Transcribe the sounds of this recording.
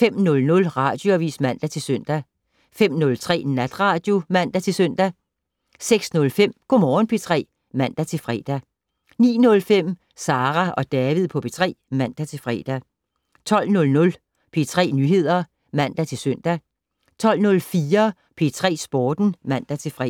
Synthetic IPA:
fem̰nɔ̽lnɔ̽lʁɑ̈d̥joæʋḭːsmæn̰d̥æt͡sʰe̝lsøn̰d̥æ | fem̰nɔ̽lt͡sʰʁɛ̰ːnæd̥ʁɑ̈ːd̥jo̝mæn̰d̥æt͡sʰe̝lsøn̰d̥æ | seɡ̥snɔ̽lfem̰ɡ̥omɒːn̩pʰe̝t͡sʰʁɛ̰ː | mæn̰d̥æt͡sʰe̝lfʁɛ̰ːd̥æ | nḭːnɔ̽lfem̰ | sɑ̈ːʁæʔɒ̽d̥ɛːʋið̞ˠpʰɒ̽pʰe̝t͡sʰʁɛ̰ːmæn̰d̥æt͡sʰe̝lfʁɛ̰ːd̥æ | t͡sʰɒ̽l̰nɔ̽lnɔ̽l | pʰe̝t͡sʰʁɛ̰ːnyːɦe̝ð̞̰ˠɐ | mæn̰d̥æt͡sʰe̝lsøn̰d̥æ | t͡sʰɒ̽l̰nɔ̽lfiːɐ | pʰe̝t͡sʰʁɛ̰ːsb̥ɒːd̥n̩mæn̰d̥æt͡sʰe̝fʁɛ

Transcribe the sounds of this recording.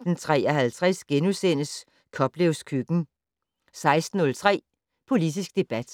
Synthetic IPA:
d̥n̩t͡sʰʁɛ̰ːɐɦælt͡sʰʁɛsɡ̥enusen̰əs | kʰɒ̽b̥leʊskʰyɡ̥n̩ | sɑ̈ɪsd̥n̩ɔ̽lt͡sʰʁɛ̰ː | pʰo̝lid̥isɡ̥̚d̥e̝b̥æd̥

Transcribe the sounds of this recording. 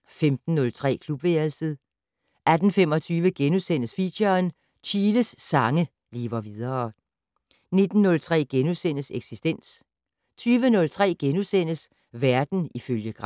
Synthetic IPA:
femd̥n̩ːɔ̽lt͡sʰʁɛ̰ːkʰlub̥ʋelsəð̩ˠ | ʔæd̥n̩femɒ̽t͡sʰyːʋəɡ̥enusen̰əsfiɕɐn | t͡ɕʰiːləsːɑ̈ŋə | liːʋɐʋið̞ˠɐ | ne̝d̥n̩ːɔ̽lt͡sʰʁɛ̰ːɡ̥enusen̰əseɡ̥sisd̥en̰s | t͡sʰyːʋənɔ̽lt͡sʰʁɛ̰ːɡ̥enusen̰əs | ʋæɐd̥n̩iføljəɡ̥ʁɑ̈

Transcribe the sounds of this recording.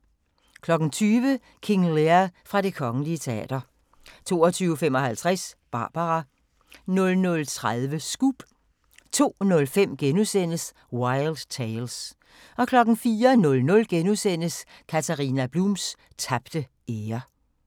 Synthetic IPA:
kʰlɒ̽ɡ̥n̩t͡sʰyːʋə | kʰe̝ŋleɐfʁɑ̈ɾ̥e̝kʰɒ̽ŋənliət͡sʰe̝æ̰ːd̥ɐ | t͡sʰo̝ːɒt͡sʰyːʊfem̰ɒ̽hælt͡sʰʁasb̥ɑ̈ːb̥ɑʁɑ | nɔ̽lnɔ̽lt͡sʰʁaðˠʋəsɡ̥ub̥ | t͡sʰo̝̰ːnɔ̽lfem̰ɡ̥enusen̰əs | wɑɪld̥t͡sʰeɪls | ʔɒ̽kʰlɒ̽ɡ̥n̩fiːɐnɔ̽lnɔ̽lɡ̥enusen̰əskʰæt͡sʰæʁiːnæb̥lums | t͡sʰæb̥d̥ə | ʔeːɐ

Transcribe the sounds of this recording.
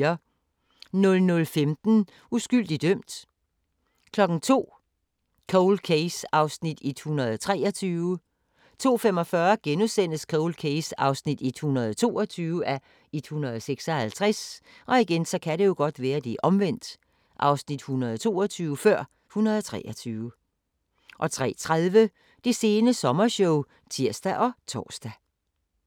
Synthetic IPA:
ɐ | nɔ̽lnɔlfemd̥n̩ | usɡ̥yl̰d̥id̥øm̰d̥ | kʰlɒ̽ɡ̥n̩t͡sʰo̝̰ː | kʰoʊlkʰesɑ̈ʊsnid̥ed̥hunɐð̞̩ˠt͡sʰʁɛ̰ːɒt͡sʰyːʊə | t͡sʰo̝̰ːfemɒ̽fɶɐɡ̥enusen̰əskʰoʊlkʰeɪsɑ̈ʊsnid̥ed̥hunɐðˠt͡sʰo̝̰ːɒt͡sʰyːʊəʔæ | ed̥hunɐð̞ˠseɡ̥sɒ̽hælt͡sʰʁɛs | ʔɒ̽iɡ̥ensɒ̽kʰæɾe̝jo̝ɡ̥ɒ̽d̥ʋæːɐd̥iʔɒ̽mʋen̰d̥ | ʔɑ̈ʊsnid̥hunɐð̞ˠt͡sʰo̝̰ːɒt͡sʰyːʊəfɶɐ̰ | hunɐðˠɒt͡sʰʁɛ̰ʔɒt͡sʰyːʊə | ʔɒ̽t͡sʰʁɛ̰ːt͡sʰʁaðˠʋə | d̥e̝se̝ːnəsɒ̽mɐɕɔʊ | t͡sʰiɐ̰sd̥æʔɒ̽t͡sʰɒ̰ːsd̥æ

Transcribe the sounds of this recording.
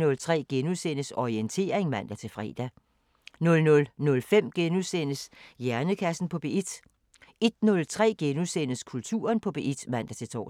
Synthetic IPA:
nɔ̽lt͡sʰʁɛ̰ːɡ̥enusenəsɒient͡sʰe̝̰ːɐʁeŋmæn̰d̥æt͡sʰe̝lfʁɛ̰ːd̥æ | nɔ̽lnɔ̽lnɔ̽lfem̰ɡ̥enusenəsjæɐnəkʰæsn̩pʰɒ̽b̥e̝ʔid̥ | e̝d̥nɔ̽lt͡sʰʁɛ̰ːɡ̥enusen̰əskʰult͡sʰṵːɐnpʰɒ̽b̥e̝ʔid̥mæn̰d̥æt͡sʰe̝lt͡sʰɒ̰ː

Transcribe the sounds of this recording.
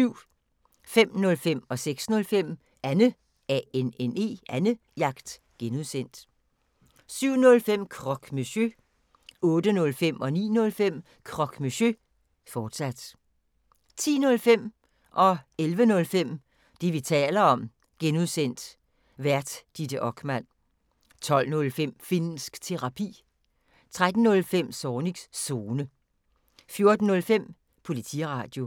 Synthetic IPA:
yʊ̰ | fem̰nɔ̽lfem̰ɒ̽seɡ̥snɔ̽lfem̰ | ænə | ɛenene̝̰ːænə | jɑ̈ɡ̥d̥ | ɡ̥enuðˠsen̰d̥ | syʊ̰nɔ̽lfem̰kʰʁɒ̽ɡ̥meɕø | ɔ̽ːd̥ənɔ̽lfem̰ɒ̽nḭːnɔ̽lfem̰ | kʰʁɒ̽ɡ̥miɕø | fɒːd̥sæd̥ | t͡sʰḭːnɔ̽lfem̰ | ʔɒ̽elʋənɔ̽lfem̰ | d̥e̝ʋit͡sʰɛ̰ːlɐɒ̽m | ɡ̥enuðˠsen̰d̥ | ʋæɐd̥d̥id̥əʔɒ̽ɡ̥mæn̰ | t͡sʰɒ̽l̰nɔ̽lfem̰fin̰n̩sɡ̥t͡sʰe̝ʁɑ̈pʰḭː | t͡sʰʁad̥n̩ːɔ̽lfem̰sɒːni̥sso̝ːnə | fjo̝ɐd̥n̩ːɔ̽lfem̰ | pʰo̝lit͡sʰḭʁɑ̈d̥jo̝

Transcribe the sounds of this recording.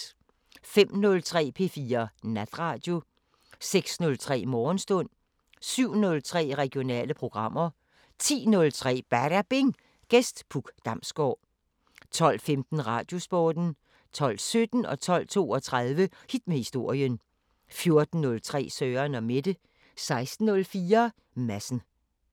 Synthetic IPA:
fem̰nɔ̽lt͡sʰʁɛ̰ːpʰe̝fiːɐnæd̥ʁɑ̈ːd̥jo̝ | seɡ̥snɔ̽lt͡sʰʁɛ̰ːmɒːnsd̥ɔ̽n̰ | syʊ̰nɔ̽lt͡sʰʁɛ̰ːʁɛɡ̥jo̝nɛ̰ːləpʰʁo̝ɡ̥ʁɑ̈m̰ɐ | t͡sʰḭːnɔ̽lt͡sʰʁɛ̰ːb̥æɾ̥æb̥e̝ŋ | ɡ̥esd̥b̥ʰuɡ̥d̥ɑ̈msɡ̥ɒ̰ː | t͡sʰɒ̽l̰femd̥n̩ʁɑ̈ːd̥jo̝sb̥ɒːd̥n̩ | t͡sʰɒ̽l̰̥sød̥n̩ɒ̽t͡sʰɒ̽l̰t͡sʰo̝̰ːɒ̽t͡sʰʁɑð̞ˠʋəhid̥mehisd̥o̝ɐ̰jən | fjo̝ɐd̥n̩ːɔ̽lt͡sʰʁɛ̰ːsœːɐnɒ̽me̝d̥ə | sɑ̈ɪsd̥n̩ːɔ̽lfiːɐ | mæsn̩

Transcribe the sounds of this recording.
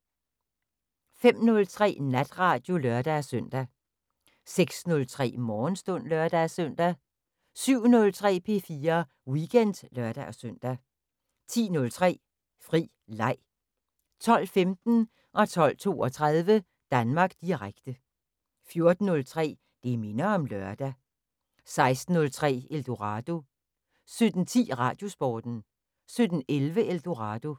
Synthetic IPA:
fem̰nɔ̽lt͡sʰʁɛ̰ːnæd̥ʁɑ̈ːd̥jo̝lœɐd̥æsœn̰d̥æ | seɡ̥snɔ̽lt͡sʰʁɛ̰ːmɒːnsd̥ɔ̽n̰lɶɐd̥ææsœn̰d̥æ | syʊ̰nɔ̽lt͡sʰʁɛ̰ːpʰe̝fiːɐ | wiɡ̥en̰d̥lɶɐd̥æʔɒsøn̰d̥æ | t͡sʰḭːnɔ̽lt͡sʰʁɛ̰ː | fʁḭː | lɑ̈ɪ̰ | t͡sʰɒ̽l̰femd̥n̩ | ʔɒ̽t͡sʰɒ̽l̰t͡sʰo̝̰ːɒt͡sʰʁaðˠʋə | d̥ænmɑ̈ːɡ̥d̥iʁaɡ̥d̥ə | fjo̝ɐd̥n̩ːɔ̽lt͡sʰʁɛ̰ː | d̥e̝me̝nɐɒ̽mlɶɐd̥æ | sɑ̈ɪsd̥n̩ːɔ̽lt͡sʰʁɛ̰ːeld̥o̝ʁɑ̈d̥o̝ | sød̥n̩t͡sʰḭːʁɑ̈d̥jo̝sb̥ɒːd̥n̩ | sød̥n̩elʋəʔeld̥o̝ʁɑd̥o̝

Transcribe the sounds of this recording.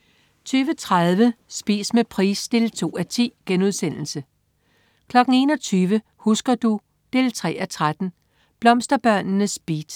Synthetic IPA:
t͡sʰyːʋət͡sʰʁaðˠʋəsb̥ḭːsmepʰʁḭːsd̥e̝lt͡sʰo̝̰ːæt͡sʰḭːɡ̥enuðˠsen̰l̩sə | kʰlɒ̽ɡ̥n̩e̝ːnɒ̽t͡sʰyːʋə | husɡ̥ɐd̥u | d̥e̝ːlt͡sʰʁɛ̰ːæt͡sʰʁad̥n̩ | b̥lɒ̽msd̥ɐb̥ɶɐ̰nnəsb̥ḭːd̥

